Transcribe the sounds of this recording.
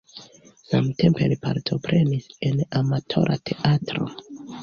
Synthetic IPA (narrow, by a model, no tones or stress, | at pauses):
samte̞mpe̞lipʰa̰ɾtʰo̞pɾe̞nise̞namatʰo̞ɾʔa̰tʰe̞ʔatɾo̞̰